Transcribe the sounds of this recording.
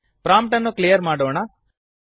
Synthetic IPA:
pɾaːmpʈɐnːuklijɐɾmaːɽoːɳɐ

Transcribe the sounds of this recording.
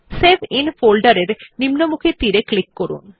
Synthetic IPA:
sebinfolɖaɾeɾnimnomukʰit̪iɾeklikːoɾṵn

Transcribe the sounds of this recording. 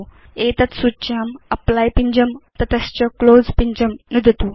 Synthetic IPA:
et̪ɐt̪sut͡ɕaːmɐplajpiɲd͡ʑəmt̪ɐt̪ɐst͡ɕɔkloːd͡zpiɲd͡ʑəmnud̪ʱət̪uː

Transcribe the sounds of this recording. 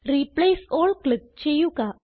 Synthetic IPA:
ɾiplesolklip̚t͡ɕejuka

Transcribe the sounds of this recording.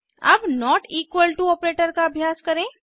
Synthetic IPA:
ɐ̰bnɔːʈiːkwəlʈuɔːpɾeːʈəɾkaɐbʱjaːskɐɾẽ

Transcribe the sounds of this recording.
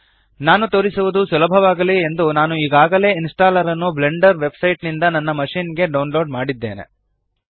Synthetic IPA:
naːnut̪o̞ːɾisuʋud̪usulɐbʱɐʋaːɡɐliend̪unaːnuiːɡaːɡɐle̞ːinsʈaːlɐɾɐnːuble̞ɳɖɐɾʋe̞bsɐjʈnind̪ɐnɐnːɐmɐʂiːnɡe̞ɖɐwunloːɖmaːɽid̪ːe̞ːnḛ

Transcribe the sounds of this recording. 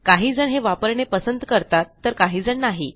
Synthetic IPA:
kaɦiːd͡zəɳɦeʋapəɾɳepəsənd̪kəɾt̪at̪ːəɾkaɦiːd͡zəɳnaɦi

